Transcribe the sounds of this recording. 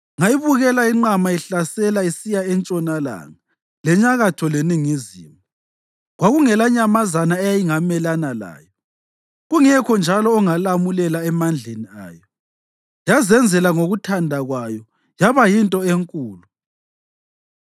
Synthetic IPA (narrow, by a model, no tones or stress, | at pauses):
ŋaiβuɣɛlaiŋ͡ǃamaiɬasɛlaisijaɛnt͡ʃʼɔnala̰ːŋa | lɛɲaɣatʰɔleniŋizḭːmɔ | ɣwaɣuŋɛlaɲamazanaɛjajiŋamɛlanala̰ːjɔ | ɣuŋɛkʰɔnd͡ʒʱalɔːŋalamulɛlaɛmand͡ɮʱenia̰ːjɔ | jazɛnd͡zʱɛlaŋoɣutʰandʱaɣwajɔ | jaβajintʼɔeŋkʼuːlu